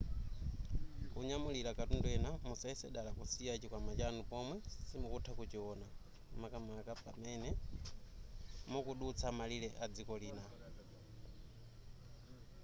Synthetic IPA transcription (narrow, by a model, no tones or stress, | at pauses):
kuɲamuliɾakatundwɛnamusaisɛɗalakusijat͡ʃikwamat͡ʃanupɔmwɛsimukutʰakut͡ʃiɔna | makamakapamɛnɛ | mɔkuɗut͡sʰamalilɛʔad͡zikɔliːna